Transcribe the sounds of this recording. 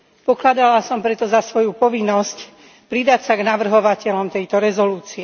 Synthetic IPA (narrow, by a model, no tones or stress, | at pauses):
pɔklad̪alasɔmpɾɛt̪ɔzasʋɔjupɔʋinːɔsc | pɾid̪acsaɡnaʋr̩ɦɔʋacɛlɔmt̪ɛjt̪ɔɾɛzɔluːt͡siɛ